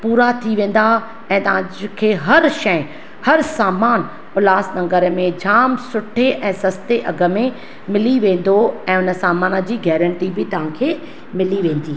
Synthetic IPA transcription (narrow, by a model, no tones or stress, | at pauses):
puːɾat̪ʰiʋẽːn̆d̪a | ɛ̃ːt̪ɐʋãkʰeːɦɐɾʃɐ̃ɪ̃ | hɐɾsaːmaːn | ʊlaːsnɐ̃ŋɡəɾmẽd͡ʑaːmsʊʈʰeʔɛ̃ːsɐst̪eʔɐɡə̆mẽ | mɪliʋẽːn̆d̪oɛ̃ːʊnə̆saːmaːnəd͡ʑiːɡɛːɾə̃ɳʈibɪt̪ɐʋ̤ãkʰeː | mɪliʋẽːn̆d̪iː